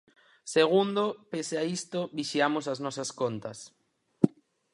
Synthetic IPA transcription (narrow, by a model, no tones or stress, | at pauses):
seɣ̞und̪opeseaist̪oβiʃiamosaznɔsɐskont̪ɐs